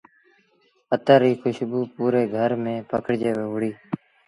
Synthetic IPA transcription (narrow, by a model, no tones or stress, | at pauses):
ət̪aːɾiːkʊʃbuːpuːɾeːɡʱəɾmẽːpəkʰəɽd͡ʒeːʋeːʋʊɽiː